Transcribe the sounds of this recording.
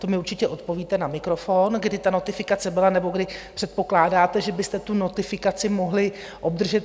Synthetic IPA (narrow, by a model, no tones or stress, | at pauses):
t̪omɪuɾt͡ʃɪcɛʔo̞t̪po̞viːt̪ɛnamɪkɾo̞fonɡdɪt̪ano̞t̪ɪfɪkat͡sɛbɪlanɛbo̞ɡdɪpr̝̥ɛt̪̚po̞klaːdaːt̪ɛʒɛbɪst̪ɛt̪uno̞t̪ɪfɪkat͡sɪmo̞ɦlɪ | ʔo̞b̚d̪r̩ʒɛt̪